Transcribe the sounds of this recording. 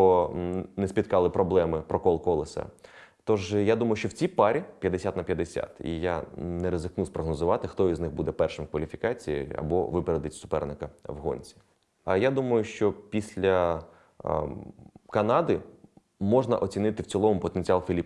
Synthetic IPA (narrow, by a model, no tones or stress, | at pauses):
nɛsʲpʲit̪kɑlˠɪpɾɔblˠɛmɪpɾɔkɔlˠkɔlˠɪsɛ̰ | t̪ɔʒjad̪umɐjʊʃt͡ʃɔwt͡sʲipɑɾʲipʲjɐd̪esʲat̪nɐpʲjɐd̪esʲa̰t̪ḭja̰nɛɾezɪknuspɾɔɦnɔzʊʋɑt̪ɪxt̪ɔiznɪxbud̪ɛpɛrʃɪmkʋɐlʲifʲikɑt͡sʲijḭɐ̰bɔ̰ʋɪpeɾed̪ɪtʲsʊ̥pɛrnɪkɐɐʋɦɔ̰nʲt͡sʲi̥ | ɐjad̪umɐjʊʃt͡ʃɔpʲisʲlʲɐ | kɐnɑd̪ɪ | mɔʐnɐʔɔt͡sʲinɪt̪ɪwt͡sʲilˠɔʋɔmʊpɔt̪enʲt͡sʲɑlˠfʲilʲi